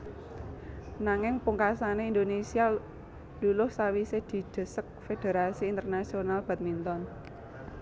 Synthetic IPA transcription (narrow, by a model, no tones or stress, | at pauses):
naŋɪŋpuŋkasaneind̪onesia | d̥ulʊhsawised̪̥i̤d̪̥ə̤sək̚fed̪̥e̤ɾasiːnt̪ərnasionalb̥a̤t̪̚mint̪ɔn